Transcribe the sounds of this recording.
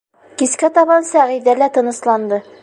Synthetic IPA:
kiskæt̪ɒbɑnsæʁid̪ælæt̪ɤ̆nɤ̆slˠɑnd̪ɤ

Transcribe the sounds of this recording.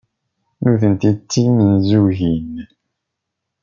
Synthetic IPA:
nuθənt̪it͡sːimənzuʝin

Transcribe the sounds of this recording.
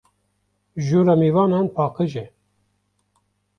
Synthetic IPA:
ʒuːɾamiːvɑːnɑːnpʰɑːkəʒɛ

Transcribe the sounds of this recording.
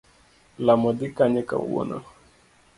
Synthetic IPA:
lamɔdikaɲɛka̰wɔ̰na̰

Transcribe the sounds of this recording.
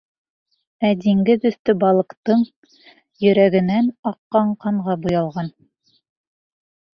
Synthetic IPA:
æd̪iŋɡɘðɵ̆θt̪ɵbɑlˠɤ̆qt̪ɤɴ | jɵ̆ɾæɡɘ̆nænɑqːɑɴqɑɴʁɑbujɑlˠʁɑn

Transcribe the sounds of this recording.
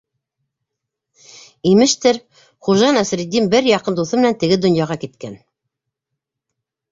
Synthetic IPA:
imɘ̆ʃt̪ɘɾ | χuʒɑnæsɾid̪ːimbɘɾjɑqɤnd̪uθɤmɘ̆nænt̪ɘ̆ɡɘd̪ŏnjɑʁɑkit̪kæn

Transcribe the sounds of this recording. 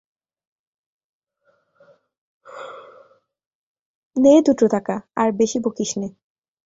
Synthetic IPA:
ned̪uʈɾot̪akaaɾbeʃibokiʃne

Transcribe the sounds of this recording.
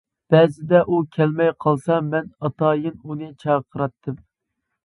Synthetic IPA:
b̥ɛːzɪd̪ɛʔukʲʰɛlmɛjqʰɑlˠsɑmɛnɑt̪ʰɑːjɨnunɨt͡ʃʰɑːqʰəɾɑt̪ʰːɨm

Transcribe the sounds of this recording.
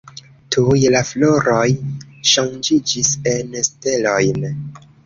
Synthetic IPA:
tʰujelafloɾojʃaŋd͡ʒid͡ʒisenste̞lojn

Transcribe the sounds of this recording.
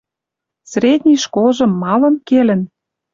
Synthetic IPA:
sɾʲed̪ʲnʲijʃkolʒɤ̆mːɑlɤ̆mkelə̆n

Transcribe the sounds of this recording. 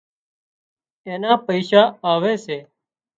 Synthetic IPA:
eːnaːpəɪʃaːaːʋeːʃeː

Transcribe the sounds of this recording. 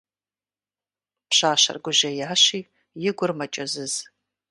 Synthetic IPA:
pʰʃaːʃɐ̰rɡʷʊʒɐjaːʃiː | jɪɡʷʊrmɐt͡ʃʼɐzɨz̥

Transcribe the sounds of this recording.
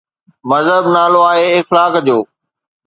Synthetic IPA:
mɐzɦəbnaːloaːɦeɪxlaːkd͡ʑoː

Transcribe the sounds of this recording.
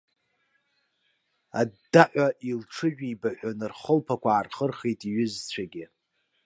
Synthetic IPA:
addaʔʷaʔilʈ͡ʂʰɨʒᶣibaħʷᶣanɨrχəlpʰakʷʰaːrχərχejtʼiɥʊzt͡sʷʰaɡʲɪ

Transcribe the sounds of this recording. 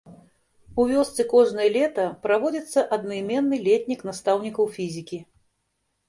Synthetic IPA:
uvʲɔst̪sɨkɔʐnɐjɐlʲɛt̪ɐpɾavɔd͡zʲit̪sːɐʔɐd̪nɐimʲɛnːɨlʲɛt̪ʲnʲiknast̪awnʲikɐwfʲizʲikʲi

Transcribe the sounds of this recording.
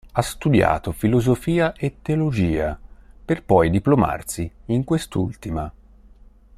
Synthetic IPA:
ast̪ud̪ja̰ːt̪ofilozofiːaʔet̪ːeolod͡ʒiːaperpɔjd̪iploma̰rsiːŋkwest̪ult̪ima

